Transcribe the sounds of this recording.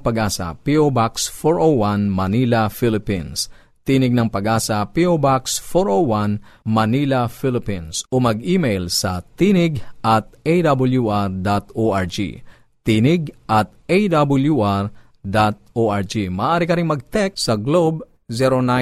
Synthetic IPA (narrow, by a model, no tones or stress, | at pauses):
pɐɡʔaːsɐ̰piobaksfoɹʔowanmɐnilɐfilɪpḭns | t̪iːnɪɡ̚nɐŋpɐɡaːsɐpiobaksfoɹʔowwanmɐnilɐfilɪpĩnsomɐɡiːmejlsɐt̪inɪɡʔɐt̪̚ejd̪abɐljuʔaɹd̪at̪oʔaɹd͡ʒḭ | t̪inɪɡʔɐt̪̚ejd̪abʊljuʔaɹ | d̪at̪̚ʔoʔaɹd͡ʒimɐːʔaːɾɪkɐɾɪŋmɐɡ̚t̪ɛk̚sɐɡlob̚ | sɛɾona